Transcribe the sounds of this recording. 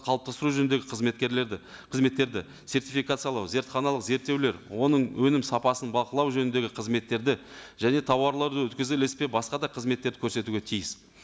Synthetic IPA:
qʰɑlˠəp̚t̪ɑst̪əɾuʒɵnd̪e̞ɡʲɪqʰəzme̞t̪kʲeɾlqʰəzme̞t̪ːe̞ɾd̪ɪ | se̞ɾt̪ifijkat̪sɨjɑlˠɑwze̞ɾt̪χɑnɑlˠəqze̞ɾt̪ːewle̞ɾwo̞nəɴwɵnɪmsɑpɑsənbɑlˠqəlˠɑwʒɵnɪnd̪e̞ɡʲɪqʰəzme̞t̪ːe̞ɾd̪ɪʒæne̞t̪ʰɑwɑɾlˠɑɾd̪əwɵt̪kʲɪzɪlespe̞bɑsqɑd̪ɑqʰəzme̞t̪ːeɾd̪ɪkʲʰɵɾse̞t̪uɡʲe̞t̪ʰijɪs

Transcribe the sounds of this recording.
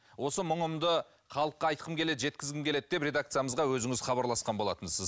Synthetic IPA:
wo̞səmʊɴəmd̪ə | χɑlˠəqːɑɑjt̪qʰəmkʰʲe̞le̞d̪ʒe̞t̪kʲɪzɡʲɪmkʲʰe̞le̞d̪̚d̪e̞pɾʲe̞d̪ak̚t̪sɨjaməzʁɑwɵzɪŋɪz̥χɑbɑɾlˠɑsqɑnbo̞lˠɑ̰t̪ənɪz

